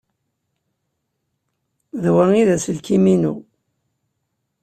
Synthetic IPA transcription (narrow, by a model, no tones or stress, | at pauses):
ðwæŋiðæsəlkiminṵ